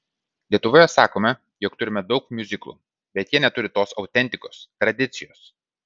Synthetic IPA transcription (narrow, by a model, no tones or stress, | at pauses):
lʲiɛt̪ʊʋoːjɛsɑːkoːmʲɛ | joːkt̪ʊɾʲɪmʲɛd̪ɒʊkmʲʊzʲɪklˠṵː | bʲɛt̪jiɛnʲɛt̪ʊɾʲɪt̪oːsɒʊt̪ʲɛnʲt̪ʲɪkoːst̪ɾɐd̪ʲɪt̪sʲɪjoːs